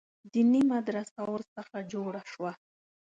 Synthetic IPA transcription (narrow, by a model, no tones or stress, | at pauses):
d̪ɪnɪmad̪ɾasawaɾsɑχad͡ʒoːɾaʃwa